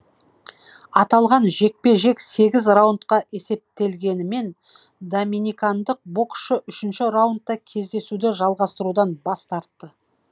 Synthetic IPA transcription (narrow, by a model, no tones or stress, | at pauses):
ɑt̪ɑlˠʁɑnʒe̞k̚pe̞ʒe̞kse̞ɡʲɪzrawʊnt̪̚qɑʔe̞se̞p̚t̪e̞lɡʲe̞nɪme̞n | d̪ominikand̪əq̚bo̞kʃəʔʏʃɪnʃɪɾawʊnt̪ːɑkʲʰe̞zd̪e̞sud̪ɪʒɑlˠʁɑst̪əɾud̪ɑnbɑst̪ɑɾt̪ːə